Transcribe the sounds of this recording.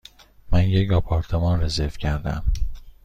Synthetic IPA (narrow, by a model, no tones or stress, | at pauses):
mænjecɒpʰɒɾt̪ʰemɒːnrezeɾfcʰæɾd̪æ̰m